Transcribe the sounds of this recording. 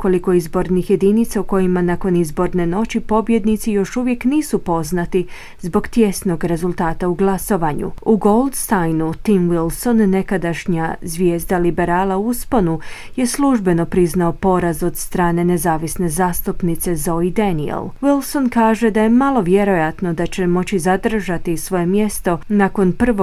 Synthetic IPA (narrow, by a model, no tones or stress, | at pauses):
ko̞liko̞izbo̞ɾnixje̞d̪iːnit̪sauko̞jimanako̞nizbo̞ɾne̞no̞t͡ɕipo̞bje̞d̪nit̪sijo̞ʃuʋje̞kniːsupo̞znat̪i | zbo̞ɡt̪je̞sno̞ɡɾe̞zulˠt̪aːt̪auɡlˠaso̞ʋaɲṵuɡo̞lˠd̪st̪ajnut̪imʋilso̞nːe̞kad̪aʃɲazʋje̞ːzd̪alibe̞ɾaːlauuspo̞nu | je̞sluʒbe̞no̞pɾiznaopo̞ɾazo̞d̪st̪ɾaːne̞ne̞zaːʋisne̞zaːst̪upnit̪se̞zo̞id̪anḭḛlʋilˠso̞nkaːʒe̞d̪aje̞malˠo̞ʋje̞ɾo̞jat̪no̞d̪at͡ɕe̞mo̞t͡ɕizad̪r̩ʒat̪isʋo̞je̞mje̞st̪o̞nako̞npr̩ʋo